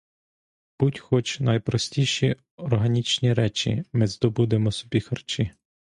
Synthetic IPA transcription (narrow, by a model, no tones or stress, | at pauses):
b̥utʲxɔt͡ʃnɐjpɾɔsʲtʲiʃi | ɔrɦɐnʲit͡ʃnʲiɾɛt͡ʃḭmɪzd̪ɔbud̪emɔsɔ̥bʲixɐrt͡ʃi